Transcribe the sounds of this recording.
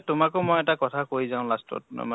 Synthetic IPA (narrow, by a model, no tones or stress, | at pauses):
tʊmakʊmojɛtakɔtʰakoɹizãʊ̃lastɔ̰t